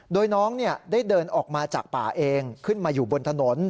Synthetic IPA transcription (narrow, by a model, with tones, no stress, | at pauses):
doː˧jnɔː˦˥ŋni˥˩ɐdaː˥˩jdɤː˧nʔɔː˨˩k̚maː˧t͡ɕaː˨˩k̚paː˨˩ʔeː˧ŋkʰɯ˥˩nmaː˧juː˨˩bo˧nt̪ʰa˧no˩˦n